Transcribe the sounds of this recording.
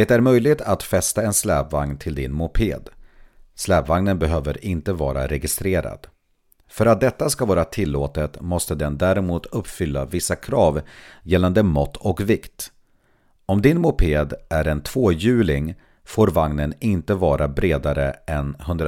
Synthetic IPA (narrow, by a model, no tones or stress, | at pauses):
d̪et̪æɾmœjlɪɡ̚t̪ʰat̪fɛst̪aɛnslɛːpvaŋnt̪ʰɪld̪ɪnmʊpʰḛːd̪slɛːpvaŋnənbɛɦøːvəɾɪnt̪əvɑːɾa̰ɾɛɡɪst̪ɾeːɾa̰d̪̥ | fœɾat̪̚d̪ɛt̪ːaskavɑːɾat̪ʰɪlːoːt̪ət̪mɔst̪əd̪ɛnd̪æɾɛmuːt̪ɵpːfʏlːavɪsːakʰɾɑːvjɛlːand̪əmɔt̪ːɔkvɪkt̪ | ɔmd̪ɪnmʊpʰeːd̪æɾɛnt̪ʰv̥oːjʉ̟ːlɪŋ | foːɾvaŋnənɪnt̪əvɑːɾʔabɾeːd̪aɾəɛnhɵnd̪ɾ